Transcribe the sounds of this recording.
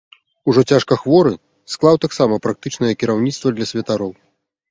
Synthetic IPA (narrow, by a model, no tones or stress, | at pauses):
uʐɔt͡sʲaʂkɐxvɔɾɨ | sklˠawt̪aksamɐpɾak̚t̪ɨt͡ʂnɐjɐkʲiɾawnʲit̪st̪vɐd̪lʲɐsʲvʲɐt̪aɾɔw